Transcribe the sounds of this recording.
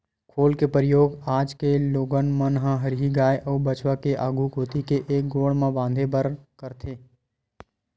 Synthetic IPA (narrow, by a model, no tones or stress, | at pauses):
kʰoːlkepɾɪjoːɡaːd͡ʒkeloːɡənmənɦə̃ɦəɾɦiɡaːeʔəːbət͡ʃʋakeʔaːɡʱukoːt̪ikeʔeːk̚ɡoːɽmãbãːnd̪ʱebəɾkəɾt̪ʰeː